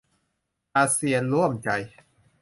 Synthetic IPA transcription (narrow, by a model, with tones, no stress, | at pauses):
ʔaː˧si˧ənɾu˥˩əmt͡ɕa˧j